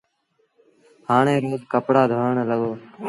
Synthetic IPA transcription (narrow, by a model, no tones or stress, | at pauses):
haːɳẽːɾoːzkəpɽaːd̪ʱoːɳləɡoː